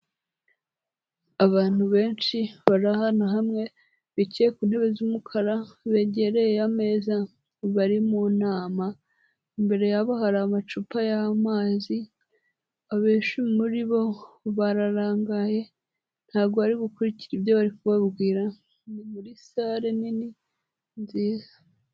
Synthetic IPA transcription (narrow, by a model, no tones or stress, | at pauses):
aβaːn̥huβe̞ːnʃiβaɾahanoɦamŋe̞ | βiceekun̥he̞βe̞zumukʰaɾaβe̞ɟe̞ɾe̞jejame̞ːza | βaɾimunaːma | imbe̞ɾe̞jaβaɦaɾaːmat͡ʃupajamaːzi | aβeːʃumimuɾiβo̞βaɾaɾaːŋɡaje̞ | n̥haːβɡoβaɾiɡukuɾiciɾibjo̞βaɾikuβaβɡwiːɾa | nimuɾisaːɾenini | nziːzḁ